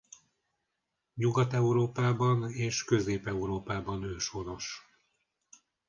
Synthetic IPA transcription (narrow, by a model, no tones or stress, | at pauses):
ɲuɡɒt̪ɛuɾoːpaːbɒneːʃkø̞zeːpɛuɾoːpaːbɒnøːʃo̞no̞ʃ